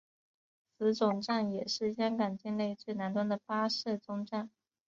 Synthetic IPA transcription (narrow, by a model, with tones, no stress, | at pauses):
t͡sʰɹ̩˧˥ʈ͡ʂʊ˨˩ŋʈ͡ʂa˥˩njɛ˨˩ʂɻ̩˥˩ɕjɛ˥ŋka˨˩nt͡ɕi˥˧nle˥˧ɪt͡swe˥˩ɪna˧˥nt̪wə˥nd̪ə˨pa˥ʂɤ˥˩t͡sʊ˥ŋʈ͡ʂa˥˩n